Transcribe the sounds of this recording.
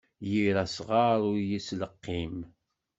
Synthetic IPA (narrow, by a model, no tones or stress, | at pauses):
jiɾæsʁaɾˤʊɾjisləqːim